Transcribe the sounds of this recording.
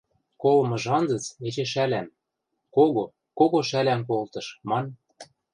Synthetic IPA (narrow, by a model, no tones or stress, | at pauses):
kolɤ̆mɤ̆ʒɑnd͡zɤ̆t͡set͡ɕĕʃ̬ælæm | koɣo | koɣoʃælæmk̬olt̪ɤ̆ʃmɑn